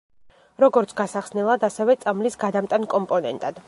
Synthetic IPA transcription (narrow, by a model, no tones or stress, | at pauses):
ɾɔɡɔɾt̪sʰɡasaχsnɛlˠad̪asɛvɛt̪sʼamlisɡad̪amt̪ʼankʼɔmpʼɔnɛ̰nt̪ʼad̪̥